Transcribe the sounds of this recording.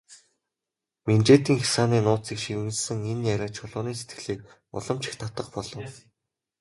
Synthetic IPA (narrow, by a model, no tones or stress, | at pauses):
ment͡ɕeːt̪iːŋxḁsaːniːnʊːt̪t͡sikʃikunt͡ɕsɘ̆ŋenjaɾʲăːt͡ɕʰʊɮʊːniːset̪ɡɘ̆ɮiːk̚ | ʊ̰ɮɞ̆mt͡ɕɪ̥̆xt̪ʰat̪ə̆qpɔɮɞ̆w